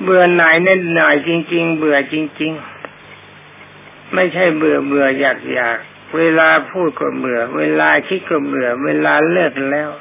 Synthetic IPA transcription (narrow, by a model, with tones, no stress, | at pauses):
bɯ˨˩ɐna˨˩˦jna˧˥˩nɔː˨˩jt͡ɕi˧ŋt͡ɕi˧ŋbɯ˨˩ət͡ɕi˧ŋt͡ɕi˧ŋ | ma˥˩jt͡ɕʰa˥˩jbɯ˨˩əbɯ˨˩əjaː˨˩k̚jaː˨˩k̚ | weː˧laː˧pʰuː˥˩t̪̚kɔ̰ː˧˩bɯ˨˩ɐweː˧laː˧kʰi˦˥t̪̚kɔː˧˩bɯ˨˩ɐəweː˧laː˧lɤː˥˩k̚lɛː˦˥˩w